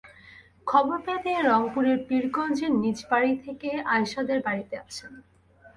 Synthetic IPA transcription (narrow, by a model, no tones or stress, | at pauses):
kʰɔboɾped̪ieɾɔŋpuɾeɾpiɾɡɔnd͡ʑenid͡ʑbaɾit̪ʰekeajʃad̪eɾbaɾit̪eat͡ɕʰen